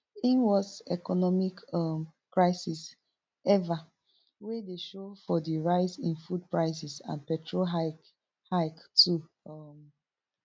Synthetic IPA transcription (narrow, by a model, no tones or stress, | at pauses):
ĩnwɔsɛkɔnɔmikmkɹaɪsis | ɛva | wedeʃofɔdiɹaɪsĩnfud̚pɹaɪsisã̰npɛtʰɹoa | haɪktu | m